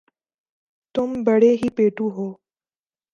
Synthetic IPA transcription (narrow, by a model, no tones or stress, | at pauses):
t̪ʊmbəɽeɦiːpeːʈuɦoː